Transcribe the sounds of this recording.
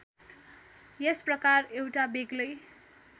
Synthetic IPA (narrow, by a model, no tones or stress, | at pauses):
jesprʌkarewʈabeɡlʌj